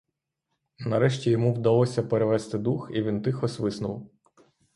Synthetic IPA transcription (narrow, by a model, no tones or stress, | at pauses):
nɐɾɛʃtʲijɔmuwd̪ɐlˠɔsʲɐpeɾeʋɛst̪ɪd̪uxiʋʲint̪ɪxɔsʋɪsnʊw